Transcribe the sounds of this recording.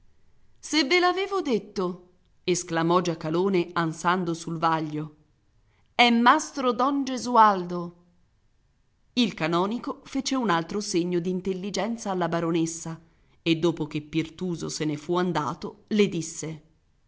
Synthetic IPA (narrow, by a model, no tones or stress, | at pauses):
sevːelaːveːvod̪et̪ːo | esklamɔd͡ʒakːaloːneansand̪osulvaʎːo | ɛmːast̪ɾod̪ɔnd͡ʒezuald̪o | ilkanɔːnikofeːt͡ʃeunalt̪ɾoseɲːod̪int̪elːid͡ʒɛnt̪saːlːabaɾonesːa | ed̪ːoːpok̟epːirt̪uːzo̰senefuand̪a̰ːt̪oled̪isːe